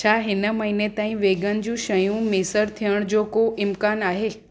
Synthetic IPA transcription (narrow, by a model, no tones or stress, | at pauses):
t͡ɕʰaːɦɪnə̆mɐɦiːnet̪aːĩʋeːɡənɪ̆d͡ʑũːʃɐjũmɪsəɾt̪ʰijəɽ̃d͡ʑoːkoʔɪmkaːnaːɦeː